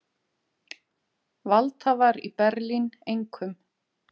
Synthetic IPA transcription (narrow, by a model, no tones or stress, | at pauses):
valt̪havaɾipɛɾlinejŋkʰʏm